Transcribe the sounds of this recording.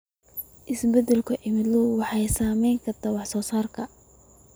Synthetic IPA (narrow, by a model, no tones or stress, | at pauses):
ʔɪsbɛd̪ɛlkʰɐʔɪmɪd̪lɔwɑħɑjsaːmɛjŋkʰɐt̪ɐwɑħsɔːsaːrkʰɐ